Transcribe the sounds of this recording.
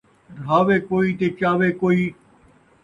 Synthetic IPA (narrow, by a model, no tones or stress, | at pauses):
d̪ʱaːʋeːkoːiːt̪eːt͡ʃaːʋeːkoːiː